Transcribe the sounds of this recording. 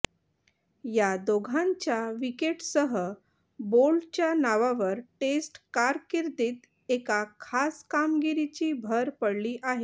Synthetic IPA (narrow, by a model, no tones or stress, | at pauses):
jad̪oɡʱãɲt͡ɕjaʋikeʈsəɦə | bolt͡ɕjanaʋaʋəɾʈesʈkaɾkiɾd̪iːt̪ | ekakʰaskamɡiɾit͡ɕiːbʱəɾpəɽliːʔaɦe